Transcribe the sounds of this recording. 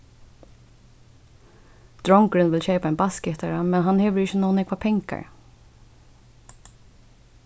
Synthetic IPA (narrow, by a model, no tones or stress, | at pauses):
d̪̥ɹɔŋkɹʏnʋɪlçeɪpaɛɪnbaskɪt̪aɹamɛnɦanheːʋəɹɪçənoːnɛkʰʋaːpʰɛŋka̰ɹ